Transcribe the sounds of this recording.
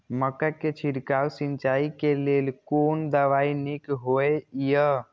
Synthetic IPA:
məkaket͡ʃʰiɽkawsint͡ʃaikelelkond̪əʋainikɦoejə

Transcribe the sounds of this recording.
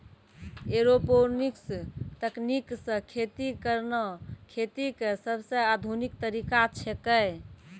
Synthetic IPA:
eɾoponikst̪əkniksə̃kʰet̪ikəɾnəkʰet̪ikesəbsə̃ad̪ʱunik̚t̪əɾikat͡ʃʰɛkəj

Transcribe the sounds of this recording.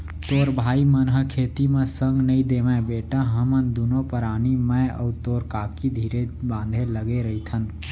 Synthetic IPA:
t̪oːɾbʱaːimənɦəkʰeːt̪imẽsə̃ŋɡnəĩd̪eːʋɛ̃beːʈaɦəmənd̪uːnõpəɾaːnimɛ̃ə̰ːt̪oːɾkaːkid̪ʱiːɾebãːnd̪ʱẽləɡeɾəɦit̪ʰən

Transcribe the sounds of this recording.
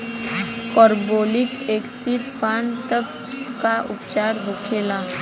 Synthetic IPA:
kɔːɾboːlɪkeːksɪppaːnt̪əb̚ | kaʔʊ̰pt͡ʃaːɾɦokʰeːlaː

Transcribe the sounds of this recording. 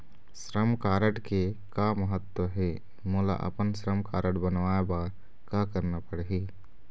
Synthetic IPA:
sɾəmkaːɾəʈkekaməɦət̪wəɦɛː | mʊːla̰ʔɐ̰pənsɾəmkaːɾəʈbɐnʋaːjebaːɾ | kakəɾnapəɽɦeː

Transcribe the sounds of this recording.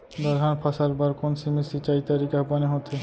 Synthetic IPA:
d̪ɔɾɡʱanpʰasaɾbaɾkonsimisit͡ɕajt̪aɾikabaneɦot̪ʰe

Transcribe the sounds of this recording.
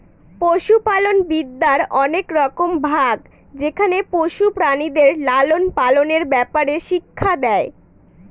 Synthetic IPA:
poʃupalonbid̪ːaɾɔnekɾɔkombʱaɡ | d͡ʑekʰanepoʃupɾanid̪eɾlalonpaloneɾbɛpaɾeʃikʰːad̪ɛe

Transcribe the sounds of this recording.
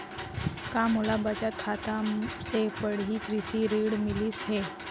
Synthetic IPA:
kãmulabət͡ʃat̪̚kʰat̪asepəɽɦikɾisiɾiːɽmilisɦe

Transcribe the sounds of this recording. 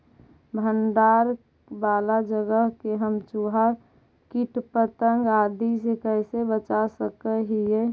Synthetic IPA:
bʱənd̪aːɾ | baːlad͡ʒəɡəɦkeɦəmt͡ʃuɦa | kiʈpət̪əŋɡaːd̪isekəɦsebət͡ʃasəkəɦie

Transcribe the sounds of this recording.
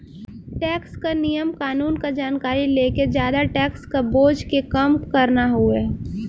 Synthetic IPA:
ʈɛːkskanijəmkaːnuːnkad͡ʒaːnkaːɾileːked͡ʒjaːd̪aʈɛːkskaboːd͡ʒkekəmkəɾnaɦueː

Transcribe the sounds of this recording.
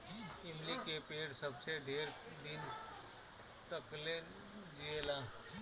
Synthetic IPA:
ɪmlikepeːɽsəbseɖʱeːɾ | d̪ɪn | t̪əkle | d͡ʒielaː

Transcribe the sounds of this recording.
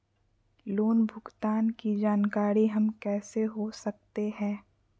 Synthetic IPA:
loːnbʱʊɡt̪aːnkid͡ʒaːnkaːɾiɦɐmkɛːseɦosɐk̚t̪eɦɛ̃ː

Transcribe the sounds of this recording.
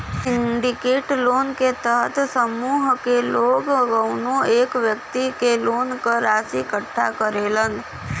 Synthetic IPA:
sɪ̃ɳɖɪkeːʈloːnket̪ɛɦət̪ʰsəmuːɦkeloːɡɡəʊnõeːkʋjəkt̪ikeloːnkəɾaːsikəʈʰːa̰kəɾeːlən

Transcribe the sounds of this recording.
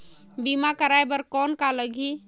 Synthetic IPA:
bimakəɾaebəɾkɔnkaləɡʱi

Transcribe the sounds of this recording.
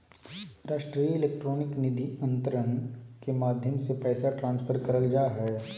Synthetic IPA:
ɾaːʃʈɾijɪleːk̚ʈɾoːnɪknɪd̪ʱiɐ̃nt̪əɾənkemaːd̪ʱjəmsepɛːsaʈɾãːnspʰəɾkɐɾəld͡ʒaːɦɛː

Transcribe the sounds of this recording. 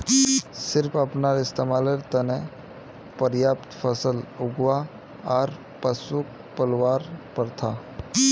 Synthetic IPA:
sɪɾpʰɐpnaɾɪst̪emaːleɾt̪əne | pəɾjaːpt̪pʰəsəlʊɡwa | ɔːɾ | pəsʊk̚ | pəlwaːɾpəɾt̪ʰa

